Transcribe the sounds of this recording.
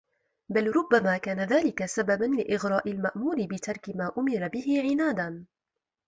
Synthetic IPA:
balɾˤʊbːamaːkaːnaðaːlɪkasababanlɪʔɪɣɾˤɑːʔɪlmaʔmuːɾɪbɪt̪ʰɑɾˤkɪmaːʔʊmɪɾˤabɪɦɪʕɪnaːd̪an

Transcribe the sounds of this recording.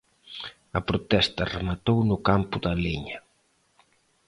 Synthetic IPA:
ɐpɾʊt̪ɛst̪ɐremat̪ownʊkampʊðaleɲɐ

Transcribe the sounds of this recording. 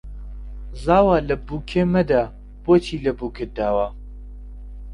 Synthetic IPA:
zaːwaːlɐbuːkʰeːmɐd̪a | b̥oːt͡ʃʰiːlɐbuːkʰɨd̪aːwa

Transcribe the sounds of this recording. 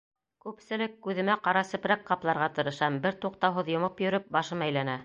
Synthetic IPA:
kʉpsɘ̆lɘkːʉðɘ̆mæqɑɾɑsɵ̆pɾækqɑplˠɑɾʁɑt̪ɤ̆ɾɤ̆ʃɑmbɘɾt̪uqt̪ɑwɦɤðjŏmɤpjɵ̆ɾɘp̚bɑʃɤmæjlænæ

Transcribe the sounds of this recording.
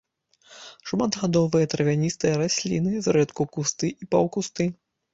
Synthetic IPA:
ʂmad̪ɣad̪ɔvɨjɐt̪ɾɐvʲanʲist̪ɨjɐɾasʲlʲḭnɨzɾɛt̪kukust̪ɨʔipawkust̪ɨ

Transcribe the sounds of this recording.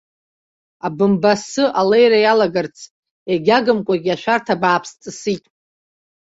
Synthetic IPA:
abɨmbasɨʔalejɾajalaɡart͡sʰ | eɡʲaɡɨmkʷʼaɡʲaʃᶣartʰabaːpʰst͡sʼɨsitʼ

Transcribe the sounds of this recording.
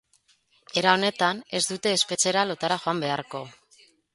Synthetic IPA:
e̞ɾao̞ne̞t̪ane̞zd̪ut̪e̞ːspe̞t͡ʃe̞ɾalo̞t̪aɾaʝo̞ambe̞aɾko̞

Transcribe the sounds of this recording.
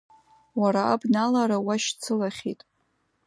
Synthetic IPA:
waɾaabnalaɾawaʃt͡sʰɨlaχʲḭtʼ

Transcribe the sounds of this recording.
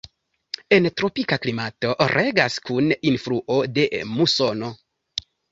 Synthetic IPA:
e̞ntɾo̞pikaklimato̞ʔɾʔe̞ɡaskuninfɾuʔo̞de̞muso̞no̞

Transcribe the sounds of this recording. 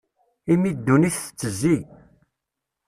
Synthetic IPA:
imid̪ːuniθə̥t͡sːəzːi

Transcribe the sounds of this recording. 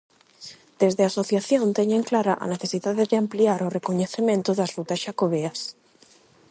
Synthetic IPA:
d̪̥ezðeasoθjaθjõnt̪eɲeŋklaɾaʔa̰neθesiðaðeðeampliaɾorekoɲeθemẽnt̪oðazrut̪asʃakoβeas

